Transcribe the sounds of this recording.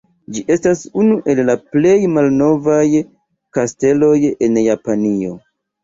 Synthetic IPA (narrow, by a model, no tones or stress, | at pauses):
d͡ʒiʔe̞stasunuʔe̞lːaple̞jmalno̞vaj | kaste̞lo̞je̞njapanio̞̰